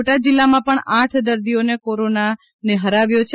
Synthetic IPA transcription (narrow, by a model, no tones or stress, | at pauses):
oʈad͡ʒilːamãpəɳãʈʰd̪əɾd̪ijonekoɾona | neɦəɾaʋjot͡ʃʰ